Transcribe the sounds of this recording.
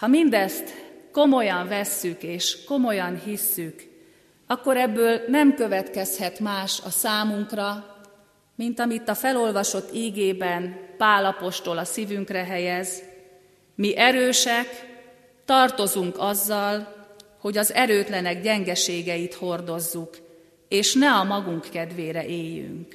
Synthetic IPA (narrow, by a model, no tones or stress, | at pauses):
hɒmind̪ɛst̪ko̞mo̞jɒɱvɛsːykeːʃko̞mo̞jɒnhisːyk | ɒkːo̞ɾɛbːøːlnɛmkø̞vɛt̪kɛshɛt̪maːʃɒsaːmuŋkrɒ | mint̪ɒmit̪ːɒfɛlo̞lvɒʃo̞t̪ːiːɡeːbɛnpaːlɒpo̞ʃt̪o̞lɒsiːvyŋkrɛɦɛjɛz | miʔɛɾøːʃɛk | t̪ɒrt̪o̞zuŋkɒzːɒlho̞ɟɒzɛɾøːt̪lɛnɛɡɟɛŋɡɛʃeːɡɛjit̪ho̞rd̪o̞zːuk | eːʃnɛɒmɒɡuŋkːɛd̪ʋeːɾɛʔeːjy̰ŋk